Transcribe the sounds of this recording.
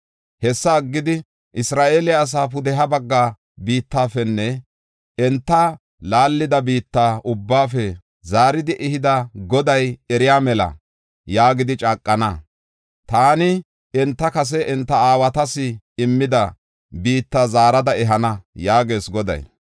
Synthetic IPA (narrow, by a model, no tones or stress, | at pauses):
hɛsːɐːɡːɪd̪ɪ | ʔɪsɾaːʔelɪjaːs̬aːpʊd̪ɛɦɐbɐɡːaː | biːt̪ːaːfɛnːɛ | ɛnt̪ːɐ | laːlːɪd̪ɐbiːt̪ːaːʔʊbːaːfɛ | zaːɾɪd̪ɪʔɪhɪd̪ɐɡɔd̪ɐjɛɾɪjaːmɛlɐ̰ | jaːɡɪd̪ɪt͡ʃʼaːkʼːɐnɐ | t̪aːnɪ | ɛnt̪ːɐkɐs̬ɛʔɛnt̪ːɐaːwɐt̪ɐsɪ | ɪmːɪd̪ɐ | biːt̪ːazaːɾɐd̪ɐɛɦɐnɐjaːɡe̞ːsɡɔd̪ɐ̰j